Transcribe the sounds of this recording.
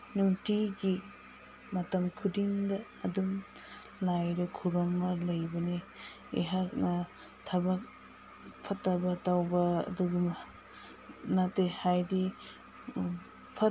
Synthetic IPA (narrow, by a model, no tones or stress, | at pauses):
nuŋtiɡi | mɐtɐmkʰudiŋdɐːdum | lajɾikʰuɾɔŋːɐlɐjbɐni | ḛɦak̚nɐ | tʰɐbɐk̚ | pʰɐtːɐbɐtawbɐɐ̰duɡim | natehajdi | pʰɐ